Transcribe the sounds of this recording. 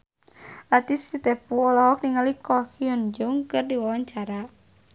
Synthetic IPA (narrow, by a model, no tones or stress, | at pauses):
lat̪ifsit̪ɛpuɔlɔɦɔk̚niŋalikɔkʰiɔnd͡ʒuŋkɨrdiwawaɲt͡ʃaɾa